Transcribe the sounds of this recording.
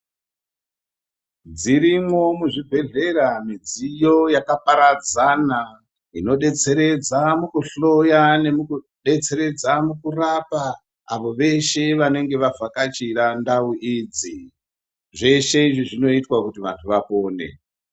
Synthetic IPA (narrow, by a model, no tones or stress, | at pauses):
d͡ziɾimwo̞muʐibʱe̞ɮe̞ɾamid͡zijo̞jakapaɾad͡zana | ino̞ɗe̞t͡se̞ɾe̞d͡zamukuɬo̞janemuku | ɗe̞t͡se̞ɾe̞d͡zamukurapa̰ː | ʋo̞ʋe̞ʃe̞ʋane̞ŋɡe̞ʋafakat͡ʃiɾandauʔid͡zi | ʐe̞ʃe̞iʐiʐino̞itwakutiʋa̰ntʰuʋapo̞ːne̞̰